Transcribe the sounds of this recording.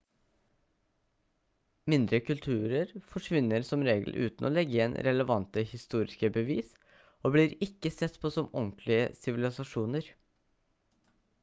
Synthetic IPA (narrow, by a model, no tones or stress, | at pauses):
mɪnd̪ɾəkʉlt̪ʰʉːɾəɾfɔʂʋɪnːəɾsɔmɾeːɡəl̩ʔʉ̰ːt̪nʔo̰ːlɛɡəɪɛnɾɛləʋɑnt̪əhɪst̪uːɾɪskəbəʋiːs | oːbliːɾɪkːəsɛt̪ːpʰoːsɔmɔŋkʰlɪə̰sɪʋɪlɪsɑʂuːnəɾ